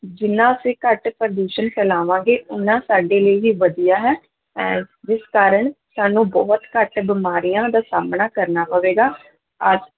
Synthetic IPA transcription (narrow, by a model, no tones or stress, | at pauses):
d͡ʒɪnãːseːkəʈpɾəɖ̪uːʃənkʰɛːlaːʋãːɡeːʊnãːsaːɖeːləiɦiːʋəd̪ijaːɦɛː | ɛ̃d͡ʒɪskaːɾəɳsaːnũːbɔːt̪kəʈbɪmaːɾijãːd̪aːsaːmnaːkəɾnaːpəʋeːɡaː | əd͡ʒ